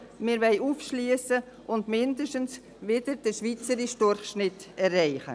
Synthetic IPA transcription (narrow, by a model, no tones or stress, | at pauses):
mɪɾʋɛɪʔufʃlyəsə | ʔʊndmɪndəʃtəns | ʋɪd̥əɾd̥əʃʋit͡səɾiʃdʊrχʃnɪtɛrɛɪχə̰